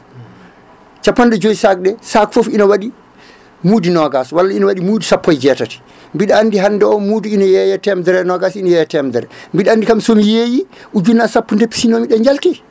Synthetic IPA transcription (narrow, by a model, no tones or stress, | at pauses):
t͡ʃapːɔnːdɛd͡ʒojisak̚ɗɛsakfofinawaɗi | muːdinɔɡaswalːainawaɗimuːdisapːɔjd͡ʒɛtati̥ | mbiɗɛanːdiɦandɛɔmuːdiinajɛjɛtɛmdɛɾɛnɔɡasinajɛjɛtɛmdɛɾɛmbiɗɛandikamsomijejiʔud͡ʒunːasapːɔndepːi̥sinɔmiɗɛɲd͡ʒaltɛ